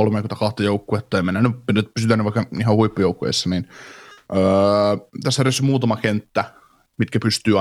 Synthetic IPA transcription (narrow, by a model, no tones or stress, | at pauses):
olmekyt̪ɑkɑht̪ɑjoukːuet̪ːɑeimenːænypnepysyt̪ænyʋʋɑikːɑihɑhuipːojoukːo̰ḛsːɑninʔəːt̪æsːeriæsːymuːt̪ɑmɑkent̪ːæ | mit̪kæpyst̪yːɑ